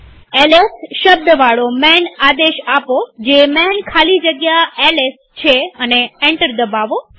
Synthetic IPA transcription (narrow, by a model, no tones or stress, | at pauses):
elesʃəb̚d̪əʋaɭomɛnad̪eʃapod͡ʒemɛnkʰalid͡ʒəɡjaeles | t͡ʃʰeəneeɳʈəɾd̪əbaʋo